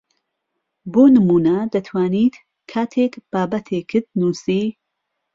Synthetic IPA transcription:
boːnɨmuːnɐd̪ɐt̪ʰwaːniːt̪ | kʰaːt̪ʰekb̥aːbɐt̪ʰekʰːɨɾd̪̚nuːsiː

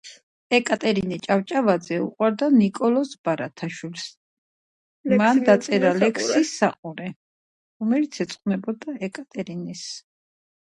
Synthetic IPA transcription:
ɛkʼat̪ʼɛɾinit͡ʃʼaft͡ʃʼavad̪zɛṵqʼwaɾd̪anikʼɔlɔsbaɾat̪ʰaʃwils | mand̪at̪sʼɛɾalɛkʰsisːaqʼuɾɛ | ɾɔmɛlit̪sʰɛt̪sʼqʼnɛbɔd̪aɛkʼat̪ʼɛɾinis

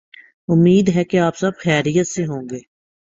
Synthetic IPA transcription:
ʊmːiːd̪ɦɛkeaːpsɐbxɛːɾijət̪seɦõːŋɡeː

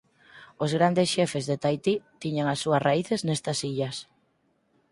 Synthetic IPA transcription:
ozɣɾand̪esʃɛfezðet̪ajt̪it̪iɲaŋasːuɐsraiθeznɛst̪ɐsiʎɐs

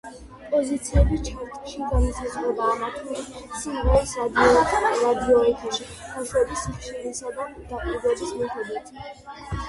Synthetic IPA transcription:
pʼɔzit̪sʰiɛbist͡ʃʰaɾt̪ʼɛʃiɡanisazlɛbaːmat̪ʰmɛsiɾɛisad̪iɔɛt̪ʰɾad̪iɔɛt̪ʰaʃi | b̥aʃuɛbisːiχʃiɾisad̪ad̪̥apʼibɛbismɛhʰɛd̪it̪ʰ

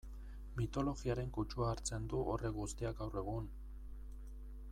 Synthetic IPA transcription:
mit̪o̞lo̞ɣiaɾe̞ŋkut͡ʃuaːɾt͡se̞nd̪uʔore̞ɣust̪iaɡɡawre̞ɣ̞un

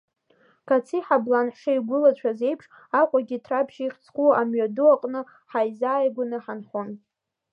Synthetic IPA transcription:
kʰat͡sʰiħablanħʂɨiɡʷʊlat͡ɕʷʰaze̞jpʰʂ | akʷʼaɡʲitʰrapʰʃiχʲt͡sʰkʷʰʼuamɥaduaqʼnɨ | ħajzaːjɡʷanɨħanχon

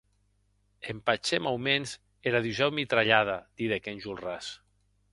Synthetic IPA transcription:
empat͡ʃemawmenz | eɾaðuʒɛwmit̪ɾaʎaðad̪̥iðekenʲʒulˠras

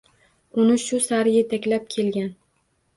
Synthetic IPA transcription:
ʊnɪʃʊsaɾɪjet̪ʰakʲlap̚kʲʰe̞lɡʲan

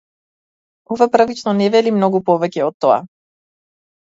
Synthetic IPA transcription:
ɔvaprvit͡ʃnɔnɛvɛlimnɔɡupɔvɛcɛɔt̪ːɔa̰

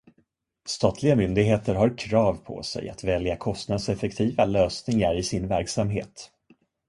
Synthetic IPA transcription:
st̪ɑːt̪ʰlɪɡamʏnd̪ɪɡɦeːt̪əɾɦaɾkʰɾɑːvpʰɔ̰sɛ̰ja̰t̪vɛljakʰɔst̪nad̪sɛfɛk̚t̪ʰiːvaløːsnɪŋaɾɪsɪnvæɾksamɦḛːt̪

